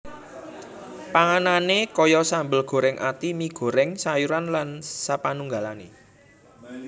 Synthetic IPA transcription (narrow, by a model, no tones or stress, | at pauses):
paŋananekɔjɔsambəlɡ̥o̤ɾɛŋʔa̰t̪imiɡ̥ɔ̤ɾɛŋsajuɾanlansapanuŋɡalanḛ